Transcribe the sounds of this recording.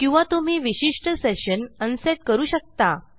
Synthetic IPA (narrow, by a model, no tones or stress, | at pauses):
kĩw̃ʋat̪um̤iːʋiɕiʂʈəseɕənənseʈkəɾuːɕək̚t̪a